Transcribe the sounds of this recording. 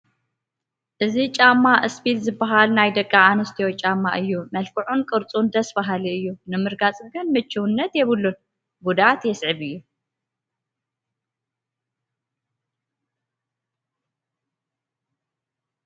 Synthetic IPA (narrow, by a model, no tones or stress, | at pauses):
ʔɨzit͡ʃʼamːaʔɨsbit̪zɨbaɦalnajd̪ɐkʼːaʕanɨst̪ʰiot͡ʃʼamːaʔɨjːumɐlkʰɨʕunkʼɨɾt͡sʼund̪ɐsbaɦaliɨjːunɨmɨɾɡat͡sʼɡɨnmɨt͡ʃʰːɨwɨnːɐt̪jɛβɨlːun | bud̪ʕat̪jɛsʕɨβɨjːu